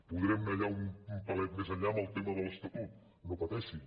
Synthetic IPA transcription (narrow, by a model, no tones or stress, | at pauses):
puðɾɛmnəʎaumumpəlɛt̪̚mezəʎaəməlˠt̪eməðəlˠəst̪ut̪ut̪̚ | nopət̪ɛʃi